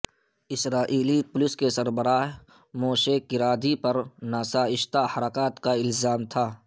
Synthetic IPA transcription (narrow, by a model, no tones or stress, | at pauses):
ɪsɾaːʔiːlipʊlɪskesɐɾbəɾaːɦ | moːʃekɪɾaːd̪ipɐɾnaːsaːɪʃt̪ahɐɾaːkaːt̪kaɪlzaːmt̪ʰaː